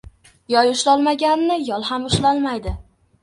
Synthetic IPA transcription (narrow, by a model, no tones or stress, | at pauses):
jɒjʊʃlɒlˠmaɡʲanːɪjɒlˠɦamʊʃlalmajd̪ɪ